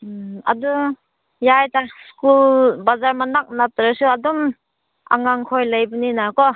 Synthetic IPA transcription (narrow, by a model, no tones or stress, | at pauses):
a̰du | jajtaskulbazaɾmanak̚natɾɯsuadɔm | a̰ŋaŋkʰojlajbɯninakɔ